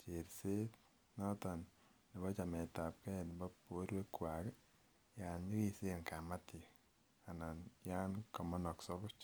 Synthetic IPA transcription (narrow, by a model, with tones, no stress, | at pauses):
t͡ʃe˨ɾse˦t | nɔ˦tɔ˨n | nɔ˨bɔ˦t͡ʃa˨mɛ˨ta˨p̚kɛ˦˨n˨ba˦po˦ɾwe˦kwa˨k | ja˨nɲi˦ki˦si˦˨ŋka˨ma˦ti˨ | a˨na˨nja˦nkɔ˨mɔ˦nɔ˨ksɔ˦kʊ˦t͡ʃ